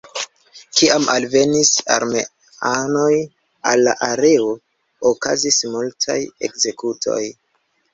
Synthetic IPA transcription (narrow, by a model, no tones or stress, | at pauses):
kiamʔalve̞nisa̰ɾmḛ | ano̞j | alːa̰ʔaɾe̞o | okazismultʰa̰je̞̰kze̞kutʰo̞̰j